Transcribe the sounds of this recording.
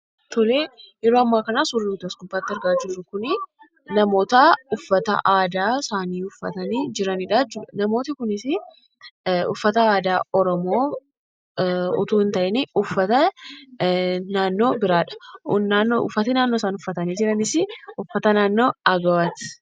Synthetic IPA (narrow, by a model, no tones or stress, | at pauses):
t̪ɔleːjɛɾoːɐmːaːkɐnaːsʊɾuːt̪ɐsɡʊbːaːt̪ːɪɐɾɡaːd͡ʒɪrːʊkʊnɪ | nɐmo̞ːt̪ɐʊfːɐt̪ɐ̰ʔaːd̪aːsaːniːʊfːɐt̪ɐniːd͡ʒɪɾɐnɪᶑaːd͡ʒɪnɐmo̞ːt̪ɪkʊnɪsɪ | ʊfːɐt̪ɐaːd̪aːɔɾɔmo̞ː | ʊ̰t̪uːɪnt̪ɐʔɛniʊfːɐt̪ɐ | naːnːo̞ːbɪɾaːᶑɐ̥naːnːoʔʊ̰fːɐt̪ɪnaːnːoːsaːnʊfːɐt̪ɐniːd͡ʒɪɾɐnɪsɪʊfːɐt̪ɐnaːnːo̞ːɐɡɐwɐt̪ɪ̥